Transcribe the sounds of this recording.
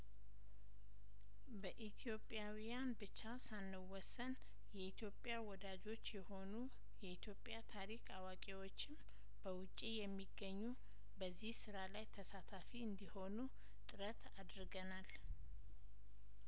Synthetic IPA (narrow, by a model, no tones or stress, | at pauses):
bəʔit̪ʰijo̞pʼjawijanbɨt͡ʃːasanːəwɔsːən | jɛit̪ʰjo̞pʼjawɔd̪ad͡ʒo̞t͡ʃːjɛho̞nu | jɛit̪ʰjo̞pʼjat̪ʰaɾikʼawakʼiwot͡ʃːɪm | bəwʊt͡ʃʼːijɛmːiɡːəɲːu | bəzːihsɨɾalajt̪ʰəsat̪ʰafiɨnd̪iho̞nu | t̪ʼɨɾət̪ʰad̪ɾɡənal